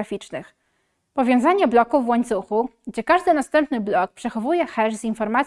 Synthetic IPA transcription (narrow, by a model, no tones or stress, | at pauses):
afʲit͡ʂnɘx | pɔvʲjɔ̃w̃zaɲɛblɔkuvwɔɲt̪suxuɡd͡ʑɛkaʐd̪ɘnast̪ɛmpnɘblɔk̚pʂɛxɔvujɛxɛʐzinfɔɾmat̪